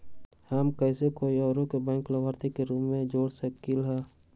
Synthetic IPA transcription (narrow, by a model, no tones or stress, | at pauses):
həmkɛːsekoːiɔːɾõkebɛ̃ːŋkləbaːɾt̪ikeɾuːmːẽd͡ʒoːɽsəkilɦɛː